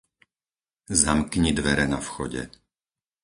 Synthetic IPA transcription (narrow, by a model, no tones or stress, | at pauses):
zamkɲid̪ʋɛɾɛnafxɔɟɛ̰